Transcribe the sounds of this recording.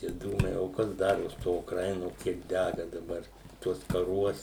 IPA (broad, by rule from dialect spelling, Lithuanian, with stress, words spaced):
tʲiɛ ˈduːmɐɪ oː ˈkɐs ˈdɑːroːs ˈtoː ʊkˈrɐɪnoː ˈkʲiɛk ˈdʲæɡɐ dɐˈbɐr ˈtuɔs kɐˈruɔs